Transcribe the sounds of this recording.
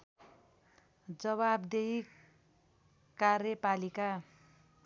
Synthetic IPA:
d͡zʌβabd̪ei | karjʌpalika

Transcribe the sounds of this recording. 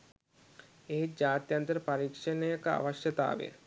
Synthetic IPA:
ed͡ʒaːt̪jant̪ɐɾpaɾikʃɐnəjka̰ʋaʃjɐt̪a̰ːʋḛ

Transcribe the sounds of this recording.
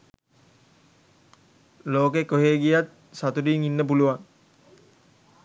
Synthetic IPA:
loːkekoɦeːɡijat̪̚ | sat̪udiːŋinːəp̬uluʋaŋ

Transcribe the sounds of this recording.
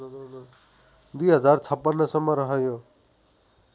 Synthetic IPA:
d̪uiɦʌd͡zaɾt͡sʰʌpːʌnːʌsʌmːʌɾʌɦʌjo

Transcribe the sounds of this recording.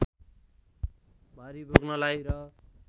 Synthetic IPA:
bʱaɾibʱoɡnʌlajɾʌ

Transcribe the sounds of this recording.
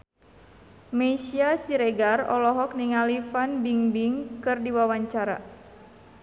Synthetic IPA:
mɛsiasiɾeɡarɔ̰lɔɦɔk̚niŋalifanbiŋbiŋkɨrdiwawaɲt͡ʃaɾa̰

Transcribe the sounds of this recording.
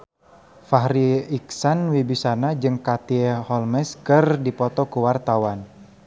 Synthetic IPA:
faɦɾiiksanwibisanad͡ʒɨŋkat̪iɛhɔlmɛskɨrdipɔt̪ɔkuwart̪awan

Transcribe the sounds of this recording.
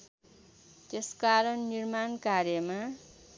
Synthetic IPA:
t̪eskaɾʌnːirmankarjʌma

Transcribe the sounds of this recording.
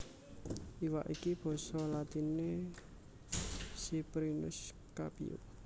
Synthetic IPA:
ʔiwa̰ʔikib̥ɔ̤sɔlat̪ine | sipɾinʊ̰s | ka̰pḭṵ

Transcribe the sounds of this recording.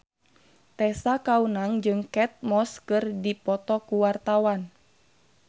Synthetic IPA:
t̪ɛsakaunaŋd͡ʒɨŋkɛt̪̚mɔskɨrdipɔt̪ɔkuwart̪awan

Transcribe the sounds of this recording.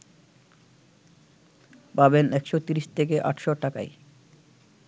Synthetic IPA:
pabenɛkʃot̪iɾiʃt̪ʰek̬eʔa̰ʈʃoʈaka̰j

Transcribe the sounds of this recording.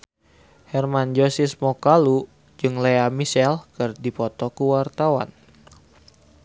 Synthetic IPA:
hɛrmand͡ʒosismokalu | d͡ʒɨŋleamisɛlkɨrdipɔt̪ɔkuwart̪awa̰n

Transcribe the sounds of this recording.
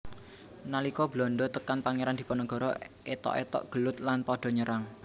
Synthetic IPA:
nalikɔblɔnɖɔt̪əkanpaŋeɾand̪i̤pɔnəɡɔ̤ɾɔ | et̪ɔ̰ʔḛt̪ɔ̰ʔɡ̥əlʊt̪lanpɔɖ̥ɔ̤ɲəɾaŋ

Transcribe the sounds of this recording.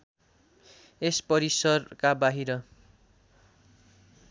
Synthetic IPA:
espʌɾisʌrkabaɦiɾʌ

